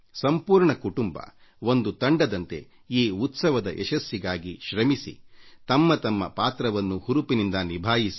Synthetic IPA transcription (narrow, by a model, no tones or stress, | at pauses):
sɐmpuːɾɳɐkuʈumbɐ̰ | ond̪ut̪ɐɳɖɐd̪ɐnt̪e̞̰ | iːut̪sɐʋɐd̪ɐʔeʃɐsjiɡaːɡiʃɾɐmisḭt̪ɐmːɐt̪ɐmːɐ̰paːt̪ɾɐʋɐnːuhuɾupinind̪ɐnibʱaːjisi